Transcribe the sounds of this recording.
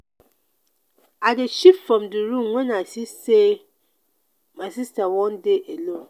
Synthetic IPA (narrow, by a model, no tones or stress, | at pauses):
adɪʃipfɾɔ̃mdɪɾũŋɛ̃nasise | mãsistawɔ̃ndeʔelõ